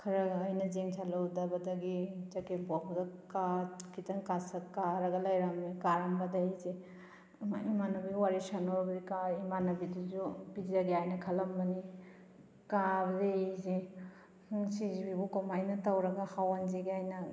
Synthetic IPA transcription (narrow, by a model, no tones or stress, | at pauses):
kʰɐɾɐɡːjnɐzeŋtʰalawdɐbɐdɐɡid͡ʒɐkebabɐdɐkakʰitɐŋkasɐkaɾɐɡɐlajɾamikaɾambɐdaizi | imanɐbiwaɾisanoɾbɐdikaimanɐbiduzubizaɡiajnɐkʰɐlɐmbɐni | kabɐzeizi | hŋsizibibukomajnɐtawɾɐɡɐhawanziɡiajnɐ